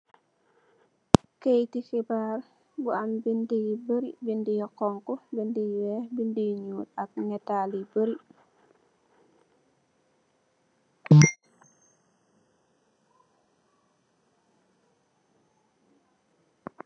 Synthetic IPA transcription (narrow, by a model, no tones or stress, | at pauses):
kejtixibaːr | buɐmbindijibəɾibindijɔkɔŋkɔbindijɛbindijɲuːtɐk̚ŋɛtalibəɾi